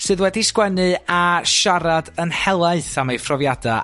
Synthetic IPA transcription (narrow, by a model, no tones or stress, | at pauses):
sɨːðwɛdiskwɛnɨaʃaɾadənhɛlˠaɨθamajfrɔvjada̰